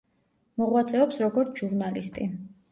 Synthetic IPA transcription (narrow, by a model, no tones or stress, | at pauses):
mɔʁwat̪sʼɛɔpsɾɔɡɔɾt̪ʰʒuɾnalist̪ʼi